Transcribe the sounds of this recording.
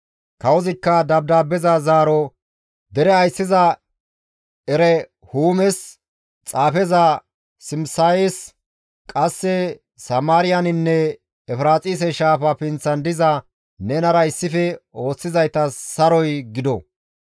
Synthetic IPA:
kɐwɔzɪkːɐd̪ɐb̚d̪aːbːɛzɐzaːɾɔ | d̪ɛɾɛɐjsːɪzɐ | ɛɾɛ | huːmɛs | t͡sʼaːfɛzɐ | sɪmsaes | kʼɐsːɛ | sɐmaːɾɪjɐnɪnːɛ | ɛfɾaːt͡sʼiːs̬ɛʃaːfɐfɪnt͡sːɐnd̪ɪzɐ | nɛnɐɾɐɪsːɪfɛo̞ːt͡sːɪzɐjt̪ɐsɐɾɔjɡɪd̪ɔ

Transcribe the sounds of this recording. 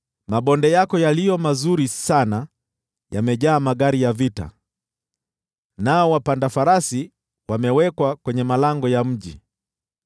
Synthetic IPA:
maɓɔndɛjakɔjalijɔmazuɾisana | jamɛʄaːmaɠaɾijavita̰ | naɔwapandafaɾasi | wamɛwɛkwakwɛɲɛmalaŋɡɔjam̩ʄi

